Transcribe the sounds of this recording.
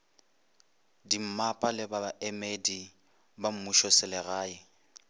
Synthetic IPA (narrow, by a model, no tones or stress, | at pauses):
dim̩mapʼalɪbabaʔɛmedi | bam̩muʃɔsɪlɪɣaːɪ